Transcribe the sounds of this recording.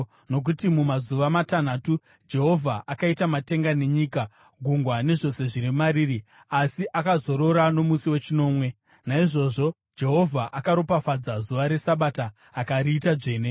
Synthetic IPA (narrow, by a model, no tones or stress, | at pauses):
no̞k̬utimumazuʋamatan̤aːtu | d͡ʒe̞ɦo̞vʱaʔakaitamate̞ŋɡane̞ɲiːka | ɡʱuŋɡwane̞ʐo̞se̞ʐiɾimaɾiːri | asiʔakazo̞ɾo̞ɾano̞musiwe̞t͡ʃino̞ːmwe̞ | naiʐo̞ʐo̞ | d͡ʒe̞ɦo̞vʱaʔakaɾo̞pafad͡zazuʋaɾe̞saɓataː | kaɾiːtad͡ʐe̞ːne̞